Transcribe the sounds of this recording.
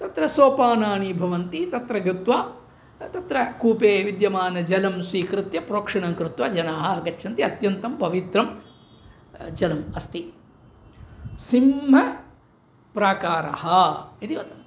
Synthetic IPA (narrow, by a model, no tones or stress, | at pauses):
t̪ɐt̪ɾɐsoːpaːnaːɳibʱɐʋɐnt̪it̪ɐt̪ɾɐɡɾit̪ʋaː | t̪ɐt̪ɾɐkuːpeːʋid̪jɐmaːnɐd͡ʒɐlɐmsʋiːkɾɪt̪jɐpɾoːkʂɐɳɐŋkɾut̪waːd͡ʒɐnaːɦɐɐɡɐt͡ʃːʃʰɐnt̪iɐt̪jɐnt̪ɐmpɐʋit̪ɾɐm | d͡ʒɐlɐmɐst̪i | simɦɐ | pɾaːkaːɾɐ̰hɐid̪iʋɐt̪ɐn